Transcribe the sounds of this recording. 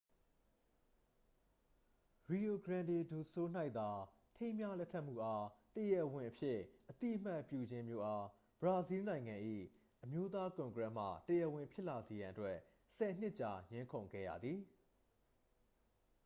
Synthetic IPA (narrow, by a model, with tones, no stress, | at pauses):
ɹi˨o˨ɡəɹã˨nde˨du˨so˦n̥a˦ɪʔt̪a˨ | tʰẽ˦ɪ̃mja˦lɛ˦tʰːɛ˦ʔm̥ṵ˦˨ʔa˦təjɛ˦˨ʔwɪ̃˨ʔəpʰjɪ˦ʔət̪ḭ˦ʔəm̥a˦ʔpjṵ˦˨d͡ʑɪ̃˦mjo˦˨ʔa˦ | b̥əɹa˨zi˦nã˨ɪ̃ŋã˨ʔḭ˦˨ | ʔəmjo˦t̪a˦kʊ̃˨ŋɡɹɛ˦˨m̥a̰˦˨təjɛ˨ʔwɪ̃˨mpʰjɪ˦ʔla˨ze˨jã˨ʔətwɛ˦ʔ | sɛ˨n̥ɪ˦ʔt͡ɕa˨ɲɪ̃˦ŋkʰõ˨ʊ̃ŋɡɛ̰˦˨jä̰˨d̪ði˨